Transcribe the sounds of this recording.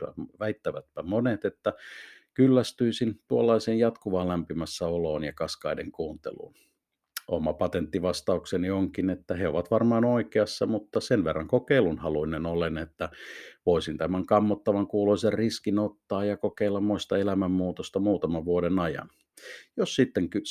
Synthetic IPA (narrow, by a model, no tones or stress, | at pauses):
æ̰ʋæit̪ːæʋæt̪̚pæmonet̪et̪ːækylːæst̪yisint̪uolːɑiseːnjɑt̪kuʋɑːlæmpimæsːæoloːnjɑkɑskɑideŋkuːnt̪ḛlṵːn | ʔo̰mɑpɑt̪ent̪ːiʋɑst̪ɑuksenioŋkinet̪ːæheoʋɑt̪ʋɑrmɑːnoikeɑsːɑmut̪ːɑsenʋerːɑŋkokeilunhɑluinenolenet̪ːæʋoisint̪æmæŋkɑmːot̪ːɑʋɑŋkuːloiserriskinot̪ːɑːjjɑkokeilːɑmmoist̪ɑelæmæmːuːt̪ost̪ɑmuːt̪ɑmɑʋʋuoɾenɑjɑ̰n | josːit̪ːeŋky